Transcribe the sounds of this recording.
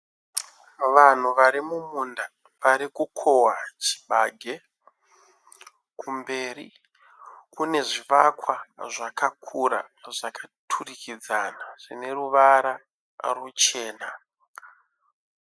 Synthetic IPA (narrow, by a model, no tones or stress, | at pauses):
ʋan̤uʋaɾimumunda | ʋaɾikukʰowat͡ʃi̥ɓaɡʱe̞ | kumbe̞ːrḭ | kune̞ʐiʋakwaʐakakʰuɾa̰ʐakatʰurikid͡zanaʐ̥ine̞ruʋaɾa | rut͡ʃe̞ːna